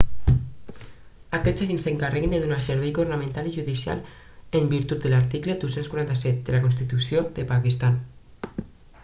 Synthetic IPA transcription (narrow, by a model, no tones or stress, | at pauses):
akɛzaʒinseŋkareɣend̪eðunaseɾβɛjɣurnamẽnt̪aliʒuðisia̰l | embiɾt̪ut̪̚d̪elaɾt̪ikled̪usenskwaɾant̪asɛt̪̚d̪elakonst̪it̪usjoðepakist̪an